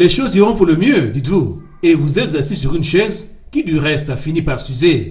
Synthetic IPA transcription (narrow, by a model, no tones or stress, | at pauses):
leʃoziʁɔ̃puʁləmjød̪it̪vu | evuzɛt̪zasisyʁynʃɛz | kʲid̪yʁɛst̪afinipaʁsyze